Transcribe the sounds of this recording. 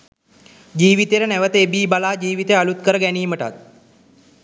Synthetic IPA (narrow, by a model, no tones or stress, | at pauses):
d͡ʑiːʋit̪eɾneʋət̪ebiːbalaːd͡ʑiːʋit̪ealut̪kəɾəɡæniːməʈa̰t̪̚